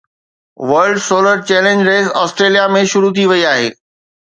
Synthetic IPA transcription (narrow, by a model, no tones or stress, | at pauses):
ʋɐɾɖsoːləɾt͡ɕɛːlẽɲd͡ʑɾeːzɔːsʈɾeːlijamẽʃʊɾut̪ʰiʋɐiaːɦeː